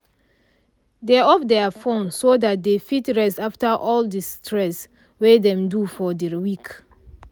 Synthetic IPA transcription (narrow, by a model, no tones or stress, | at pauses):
deɔfdɛafõnsodat̚defitɹɛsaftəʔɔldistʰɹɛs | wedɛ̃mdufɔdəwik